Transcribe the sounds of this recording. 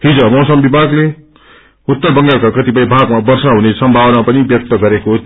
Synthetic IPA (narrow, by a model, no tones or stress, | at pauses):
ɦid͡zʌmʌsʌmbibʱaɡle | ut̪ːʌrbʌŋɡalkakʌt̪ipʌjbʱaɡmabʌrsaɦunesʌmbʱabʌnapʌnibjʌk̚t̪ʌɡʌɾeko